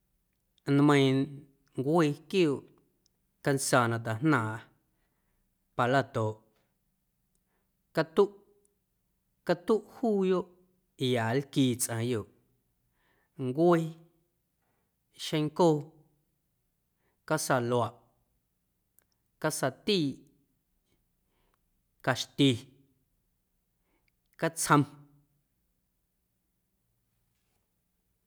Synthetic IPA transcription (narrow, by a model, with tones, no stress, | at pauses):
n˧mə̃˧j̃ | ŋɡʷe˦˧kjo˦˨ʔ | ka˧nsa˧˨nã˧t̪a˨hnãː˨ʔ | pa˧la˦˨t̪o˨ʔ | ka˧t̪u˦ʔ | ka˦t̪u˦ʔhuː˦jo˦ʔ | i˨ja˨lkiː˧˨t͡sʔã˨jo˨ʔ | ŋɡʷe˦ | ʃẽ˧ŋkoː˦˨ | ka˦sa˨lwa˨ʔ | ka˦sa˨t̪iː˦˨ʔ | ka˨ʃt̪i˧ | ka˦t͡shə̃˧m